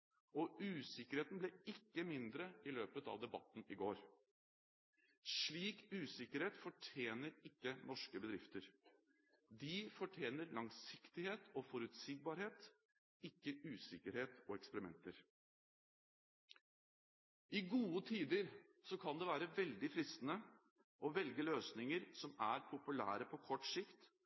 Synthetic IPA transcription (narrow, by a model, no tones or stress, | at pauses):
ɔʔʉːsɪkːəɾheːt̪n̩blɛɪkːəmɪnd̪ɾəɪløːpət̪ɑ̰ːʋd̪ɛbɑ̰t̪ːn̩ɪɡoːɾ | ʂɭiːkʉːsɪkəɾheːt̪fɔʈʰjeːnəɾɪkːənʔɔʂkəbəd̪ɾɪft̪əɾ | d̪ɪfɔʈʰjeːnəɾlɑŋsɪkt̪ɪheːt̪ɔfɔɾʉt̪siːɡ̚bɑːɾheːt̪ | ɪkːəʉːsɪkəɾheːt̪oːɛkspəɾɪmɛ̰nt̪əɾ | ɪɡuːət̪ʰiːd̪əɾsɔkʰɑnd̪ɛʋæːɾəʋɛld̪ɪfɾɪst̪ənə | ʔɔʋɛlɡəløːsnɪŋəɾsɔmæɾpʰʊpʉlæ̰ːɾəpʰɔkʰɔʈːsɪkt̪